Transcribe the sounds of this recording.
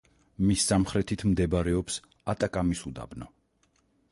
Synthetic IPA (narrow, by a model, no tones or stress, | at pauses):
misːamχɾɛt̪ʰit̪ʰmd̪ɛbaɾɛɔps | at̪ʼakʼamisud̪a̰bna